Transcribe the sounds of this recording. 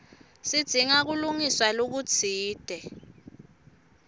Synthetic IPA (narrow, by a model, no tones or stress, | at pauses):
sid̥z̥ʱiŋak̬uluŋiswalok̬u̥t͡sʰiːd̥ʱɛ